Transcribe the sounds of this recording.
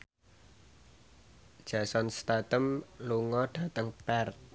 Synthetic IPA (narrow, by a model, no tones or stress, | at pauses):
d̥ʒ̥a̤sɔnst̪at̪əmluŋɔɖ̥a̤t̪əŋpɛrt̪̚